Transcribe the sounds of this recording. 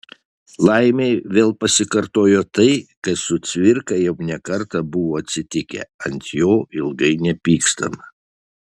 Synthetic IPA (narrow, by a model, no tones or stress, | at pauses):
lˠɐɪmʲeɪʋʲeːlˠpɐsʲɪkɐɾt̪oːjoːt̪ɐɪkɐt̪sʊt̪sʲʋʲɪɾkɐjɛʊnʲɛkɐɾt̪ɐbʊʋoːɐt̪ʲsʲɪt̪ʲɪkʲɛ̰ɐnt̪ʲjoːɪlˠɡɐɪnʲɛpʲiːkst̪ɐ̰mɐ